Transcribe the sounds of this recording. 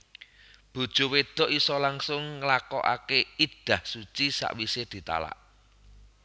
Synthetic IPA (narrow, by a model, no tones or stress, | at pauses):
b̥o̤d̥ʒ̥o̤wed̪̥ɔ̤ʔisɔlaŋsʊŋːəlakɔ̰ʔa̰keid̪̥a̤hsut͡ʃisa̰ʔwised̪̥i̤t̪a̰la̰ʔ